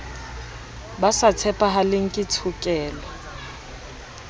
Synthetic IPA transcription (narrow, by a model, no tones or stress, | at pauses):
basat͡sʰɛpʼaɦalɪŋ̩kʼɪt͡sʰukʼɛːlɔ